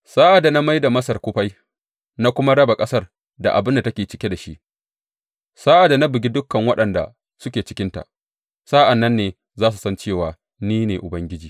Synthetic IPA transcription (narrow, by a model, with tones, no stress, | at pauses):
saː˦ʔa˨da˨na˦ma˦jda˨mɐ˦sɐ˨rkʷʊ˦ɸa˦j | na˦kʷʊ˦ma˦ɽɐ˦ba˨kʼɐ˦sɐ˦˨r | da̰˨ʔa̰˨bɪ˦nda˨tɐ˦kʲeː˨t͡ʃɪ˦kʲe˦da˨ʃi˦ʔ | saː˦ʔa˨da˨na˦bɪ˨ɡʲi˦dʊ˦kːɐ˨ŋwɐ˦ɗɐ˨nda̰˨ | sʊ˦kʲeː˨t͡ʃɪ˦kʲɪ˦nta̰˨ʔ | saː˦ʔa˨nːɐ˦nːeː˨ | zaː˦s̬u˨sɐ˦nt͡ʃeː˦˨waː˨ | niː˦neː˨ʔʊ˨bɐ˦ŋɡʲɪ˦d͡ʒiː˨